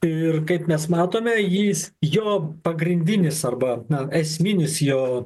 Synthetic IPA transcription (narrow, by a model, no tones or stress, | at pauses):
ɪrkɐɪpmʲɛsmɑːt̪oːmʲɛjiːsjoːpɐɡɾʲɪnʲd̪ʲɪnʲɪsɐrbɐnɐɛsʲmʲɪnʲɪsjoː